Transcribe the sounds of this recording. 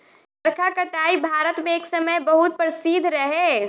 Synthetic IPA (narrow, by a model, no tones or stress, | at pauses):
səɾkʰakət̪aibʱaɾət̪mẽeːksəməjbəɦut̪̚pɾɪsid̪ʱɾəɦe